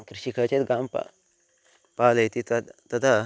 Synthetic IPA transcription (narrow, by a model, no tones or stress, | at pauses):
kɾiɕikʰət͡ɕet̪ɡampa̰ | paləjt̪it̪t̪ɐt̪ʰa